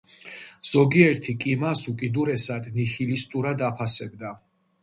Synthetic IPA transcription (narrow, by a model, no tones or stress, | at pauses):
z̥ɔɡiɛɾt̪ʰikʼimasukʼid̪uɾɛsad̪nixilist̪ʼuɾad̪apʰasɛb̚d̪a